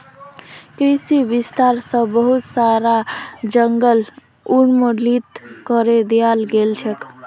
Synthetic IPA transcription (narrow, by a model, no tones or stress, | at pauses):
kɾisibist̪aɾsə̃bəɦut̪saɾad͡ʒəŋɡəl | uɳmolit̪kəɾed̪ejalɡelt͡ʃʰɛk